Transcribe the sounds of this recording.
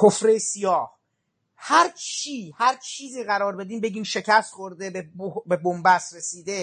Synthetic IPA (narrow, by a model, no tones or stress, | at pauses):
kʰofɾejsijɒːh | hæɾt͡ʃʰiːhæɾt͡ʃʰiːziːɣæɾɒːɾbe̞d̪iːmbe̞ɟiːmʃe̞cʰæst̪xoɾd̪ebebobebombæsɾesiːd̪e̞